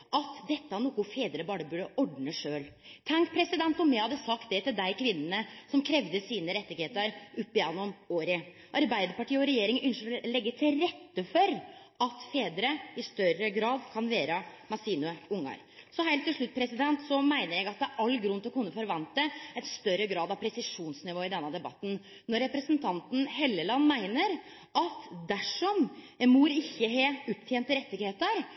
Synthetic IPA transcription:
ʔɑt̪d̪ɛt̪ːəhɑnuːkʊfeːd̪əɾəbɑːɾəbʉːɖəʔɔɖɳəʂøːlt̪ʰɑŋkpʰɾɛsɪd̪ɛnt̪ɔmɛhɑd̪ːəsɑkt̪̚d̪ɛt̪ɪld̪æɪkʰʋɪnːənəsɔmkʰɾɛʋd̪əsiːnəɾɛt̪ːɪɡheːt̪əɾʉpːɪjɛnːɔmoːɾɪ | ʔɑɾbæɪd̪əɾpɑʈiːəɔɾɛjeːɾɪŋʔʏnʃəɾɔlɛɡːət̪ʰɪlɾɛt̪ːəfɔɾ | ɑt̪feːd̪əɾəɪst̪œɾəɡɾɑːd̪kʰɑnʋæːɾəmɑsiːnʊʊŋːɑ̰ɾ | sɔɦæɪlt̪ʰːɪlʂɭʉt̪ːpʰɾɛsɪd̪ɛnt̪sɔmæɪnəɾjæɡɑt̪̚d̪ɛæɾʔɑlːɡɾʉnt̪ɪlɔkʰʊnːəfɔɾʋɑnt̪̚d̪əɛɪt̪st̪œɾəɡɾɑːd̪ɑʋpʰɾɛsɪʂuːnsnɪʋoːɪd̪ɛnːəd̪ɛbɑ̰t̪ːn̩ | nɔɾːɛpɾəsənt̪ʰɑnt̪n̩hɛlːəlɑnːmæɪnəɾ | ɑt̪d̪æʂɔm | muːɾɪçːəɦɛʉp̚t̪ʰjeːnt̪ːəɾɛt̪ːɪɡheːt̪əɾ

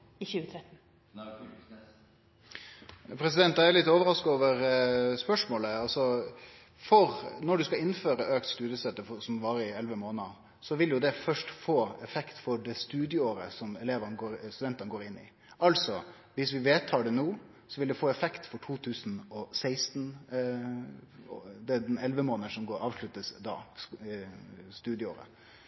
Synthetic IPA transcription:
ɪçʉːət̪ʰɾɛt̪n̩ | pʰɾɛs̬ɪd̪ɛnt̪d̪æɾjʊlɪt̪ːoːʋəɾɑskʊoːʋəɾspœʂmoːləɑlsɔ | fɔɾnɔɖʉskɑɪnːføːɾəʔøːk̚t̪st̪ʉːd̪jəsɛt̪ːəfɔsɔmʋɑːɾəɪɛlʋəmoːnɑ | sɔʋɪljʊd̪ɛfœʂʈfoːɛfɛkt̪fɔɾɖɛst̪ʉːd̪jəoːɾəsɔmɛleːʋənɡoːɾst̪ʉd̪ɛnt̪ənɡoːɾɪnːɪ̰ | ɑlsɔ | ʋɪsʋɪʋeːt̪ʰɑːɖɛnuː | sɔʋɪld̪ɛfoːɛfɛkt̪fɔʈʰuːt̪ʰʉːsnɔsæɪst̪n | d̪ɛd̪ɛnɛlʋəmoːnəʂɔmɡoːɑːʋʂɭʉt̪ːəsd̪ɑ̰ | st̪ʉːd̪jəo̰ːɾə̰

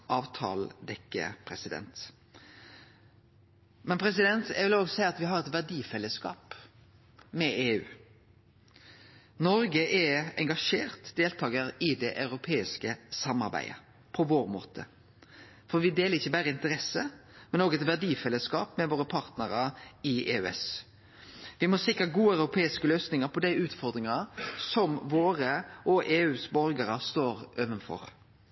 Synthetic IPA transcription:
ʔɑːʋt̪ʰɑ̰ːld̪ɛkːə̰pʰɾɛsɪd̪ɛ̰nt̪ | mɛnpʰɾɛs̬ɪd̪ɛnt̪jæ̰ɡʋɪloːɡsæɪəɑt̪ʋɪɦɑʁɛt̪ʋæʁɖiːfɛlːəskɑ̰ːp | mɛʔeːʉ̰ː | nɔɾɡəʔɛɛŋɡɑʂeːʁt̪d̪eːlt̪ʰɑːɡəɾɪd̪ɛʔɑʉɾʊpʰeːɪskəsɑmɑ̰ʁbæ̰ɪə̰ | pʰɔʋoːɾmo̰ːt̪ʰə̰ | fɔʁʋɪd̪eːləʁɪçːəbæːɾəɪnt̪əɾɛsəmɛnoːɡɛt̪ʋæʁɖiːfɛlːəskɑ̰ːpmɛʋoːɾəpʰɑɾt̪nəɾəɪḛːʉɛ̰s | ʋɪmɔsɪkɾəɡuːəɑʉɾʊpʰeːɪskəløːsnɪŋəʁpʰɔd̪æɪʉːt̪fɔʁd̪ɾɪŋəsɔmʋoːʁəʔɔʔeːʉːsbɔɾɡəɾəst̪oːɾʔøːʋənfɔ̰ɾ

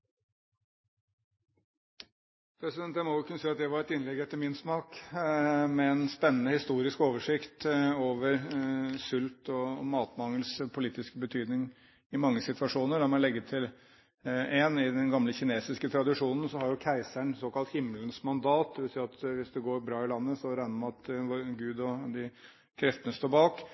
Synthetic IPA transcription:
pʰɾɛsɪd̪ɛnt̪jæɪmɔjʊkʰʉnəsiːɑt̪d̪æʋɑɾɛt̪ɪnlɛɡɛt̪ːəɾmɪnsmɑːk | mɛɛnspɛnːənəhɪst̪uːɾɪskoːʋəʂɪkt̪oːʋəɾsʉlt̪ɔmɑːt̪mɑŋːəlspʰʊliːt̪ɪskəbət̪ʰyːd̪nɪŋ | ɪmɑŋːəsɪt̪ʋɑʂuːnəɖɑmɑlɛɡːət̪ʰɪl | enɪd̪ɛnɡɑmləçɪneːsɪskət̪ʰɾɑd̪ɪʂuːnn̩sɔhɑɾjʊkʰæɪsæɳsoːkɑlt̪hɪmːlənsmɑnd̪ɑːt̪̚d̪ɛʋɪlsiːɾɑt̪ʋɪsd̪ɛɡoːɾbɾɑːɪlɑnːəsɔɾæɪnəmɑnɑt̪ʋɡʉːd̪ɔd̪ɪ | kʰɾɛft̪ənəst̪oːbɑːk

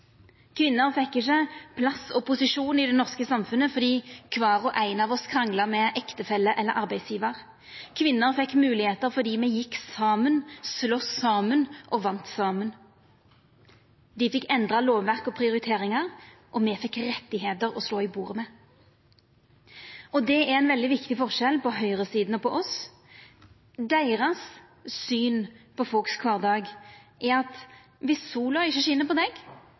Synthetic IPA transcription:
kʰʋɪnːəʁfɛkːɪçəpʰlɑsɔpʊsɪʂuːnɪd̪ɛnɔʁskəsɑmfʉnəfɔʁd̪iːkʰʋɑːʁɔʔæɪnɑːʋɔskʰɾɑŋlɑmɛʔɛkt̪əfɛlːəʔɛlːəɾʔɑʁbæɪsjiːʋəʁ | kʰʋɪnːəʁfɛkːmʉːlɪheːt̪əʁfɔʁd̪iːmɛjɪkːsɑːmənslɔsɑːmənʔɔʋɑnt̪sɑːmən | d̪ɪfɪkːɛnd̪ʁɑloːʋʋæʁkɔpʰɾɪʊɾɪt̪ʰeːɾɪŋɑʁ | ʔɔmɛfɪkːɾɛt̪ːɪɦeːt̪əɾɔsloːɪbuːɾəmɛː | ɔd̪ɛæɛnʋɛld̪ɪʋɪkt̪ɪfɔʁʃɛlpɔɦœʏʁəsiːd̪n̩əpʰɔʔɔs | d̪æɪʁɑsː | yːnpɔfɔlkskʰʋɑːʁd̪ɑːɡʔɛɾɑt̪ | ʋɪsːuːlɑɪçːəʃɪnəpɔd̪ɛɡ

